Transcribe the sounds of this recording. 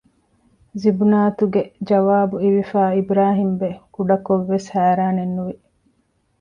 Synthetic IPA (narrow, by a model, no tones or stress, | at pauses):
zibunaːt̪uɡed͡ʒɐʋaːbuiʋifaːibɾaːɦimbekuɖɐkoʋːeshæːɾaːnenːuʋi